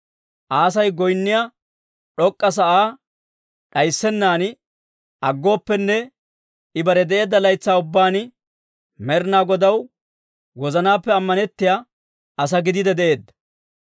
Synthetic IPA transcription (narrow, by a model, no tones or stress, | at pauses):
ʔaːs̬ɐjɡɔjnːɪja | ᶑɔkʼːɐs̬ɐʔaː | ɗɐjsːɛnːaːn | ʔɐɡːo̞ːpːɛnːɛ | ɪbɐɾɛd̪ɛʔe̞ːd̪ːɐlɐjt͡sːaːʊbːaːn | mɛɾnaːɡɔd̪ɐw | wɔzɐnaːpːɛɐmːɐnɛt̪ːɪja | ɐs̬ɐɡɪd̪ɪd̪ɛd̪ɛʔe̞ːd̪ːɐ̥